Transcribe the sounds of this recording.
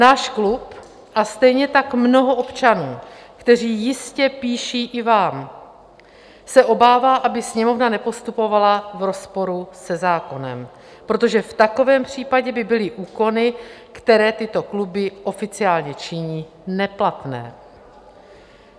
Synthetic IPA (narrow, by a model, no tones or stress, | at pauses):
naːʃklup | ʔast̪ɛjɲɛt̪akmno̞ɦo̞ʔopt͡ʃanuːkt̪ɛr̝iːjɪscɛpiːʃiːʔɪvaːm | sɛʔo̞baːvaːʔabɪsɲɛmo̞vnanɛpo̞st̪upo̞valavɾo̞spo̞ɾusɛzaːko̞nɛ̰m | pɾo̞t̪o̞ʒɛft̪ako̞vɛːmpr̝̥iːpaɟɛbɪbɪlɪʔuːko̞nɪkt̪ɛɾɛːt̪ɪt̪o̞klubɪʔo̞fɪt͡sɪaːlɲɛt͡ʃɪɲiː | nɛplat̪nɛ̰ː